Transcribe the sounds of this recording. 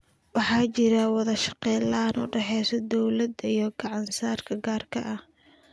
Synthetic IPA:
wɑħɑːt͡ʃɪɾɐwɑðɐʃɑ̥qɛjlɐnʊ̰ɖɛħɛjsɔd̪ɔwlɐd̪ijɞɡɑʕɑnsaːrkʰɐɡaːrkʰɐʔɐh

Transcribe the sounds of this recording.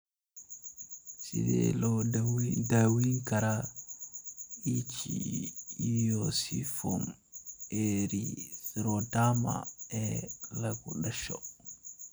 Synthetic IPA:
sḭdɛ̰lɔ | dawiŋkaɾa | it͡ʃi | jɔsifɔm | eɾisɾɔdama̰ɛlaɡuɗaʃɔ

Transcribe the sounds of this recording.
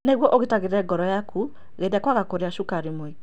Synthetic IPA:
neɣwɔʔoɣetaɣeɾɛɡɔɾɔjakʰu | ɣedakwaɣakoɾeaʃukaɾimoek

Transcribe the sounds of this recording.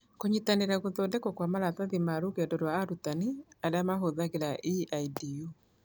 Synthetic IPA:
koɲitaneɾaɣoðɔdɛkɔkwamaɾataðimaɾokeɛdɔdwaːɾutaniaɾeamaɦoðaɣeɾaʔiaidiu

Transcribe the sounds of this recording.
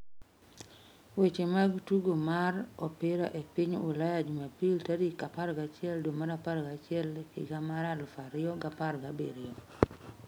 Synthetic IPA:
wet͡ʃemaɡtuɡomarɔpɪɾɔ̰ʔepɪɲʊ̰lajad͡ʒumapiltadikapaɾɡat͡ʃɪɛldomaɾapaɾɡat͡ʃɪɛlɪ̰ɡamaɾalfaɾɪjɔɡaparɡabeɾɪjɔ

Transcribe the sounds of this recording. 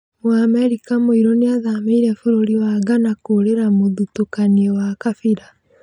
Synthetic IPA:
moamɛɾikamoiɾɔneaðameiɾɛfuɾoɾiwaɡanakoɾeɾamoðutokaniɔwakafiɾa

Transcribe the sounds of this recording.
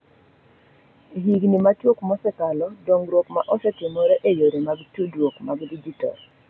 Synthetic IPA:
ɦiɡnimat͡ʃjokmɔsɛkalɔdoŋɾwokmaʔɔsɛtɪmɔɾeʔejoɾemaɡtudwokmaɡdid͡ʒitɔ̰r

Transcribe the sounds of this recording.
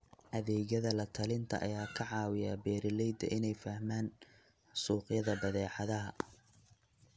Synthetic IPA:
ʔɐðɛːɣɐðɐlɐt̪ʰɐlɪnt̪ʰɐ̰ʔɐ̰jaːkʰɐʕɑːwɪjaːbɛːɾɪlɛjd̪ɐ̰ʔɪnɛjfɐhmaːn | suːqjɐðɐbɐðɛːʕɑðɐɦɐ

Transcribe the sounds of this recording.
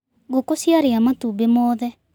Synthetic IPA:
ɣokosjaɾeamatubemɔðɛ

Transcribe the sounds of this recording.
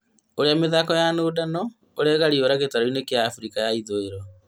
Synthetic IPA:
oɾeameðakɔjanoːdanɔ | oɾɛɣaɾioɾaɣetaɾoinekeaːfuɾikajaiðoeɾɔ

